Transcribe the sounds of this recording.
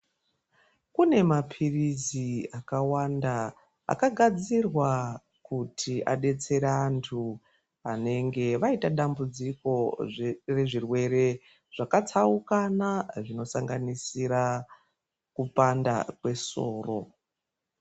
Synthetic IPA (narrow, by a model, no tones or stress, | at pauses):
kune̞mapʰiriziakawanda | a̰kaɡʱad͡zirwa | kutʰiʔa̰ɗe̞t͡se̞ɾaantʰu | ane̞ŋɡe̞ʋaitaɗambud͡ziko̞ | re̞ʐirwe̞ɾe̞ | ʐ̥akat͡saukanaʐino̞saŋɡanisiɾa | kupanda̰kwe̞so̰ːro̞